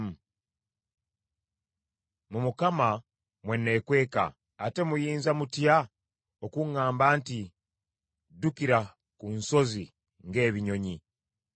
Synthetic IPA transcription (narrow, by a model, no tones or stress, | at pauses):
mumukama | mwe̞nːe̞kwe̞ːka̰ː | te̞mujiːnzamutja | o̞kuŋaːmbaːnti | dukiɾa | kunso̞zi | ŋɡe̞ːβiɲo̞ɲi